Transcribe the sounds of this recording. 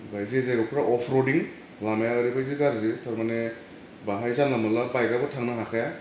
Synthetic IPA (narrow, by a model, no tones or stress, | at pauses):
bajzezaɡɔpʰɾaʔɔpʰɾodiŋ | lamajaɯɾibajziɡaɾzetʰɔɾmane | baɦajzanlamɯlabajɡabɔtʰaŋnaɦakʰaja